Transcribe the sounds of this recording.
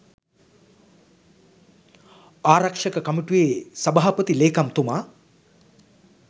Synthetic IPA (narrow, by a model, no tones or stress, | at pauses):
aːɾɐkʂəkəkɐmiʈujeːsɐbaɦapət̪ileːkamt̪umaː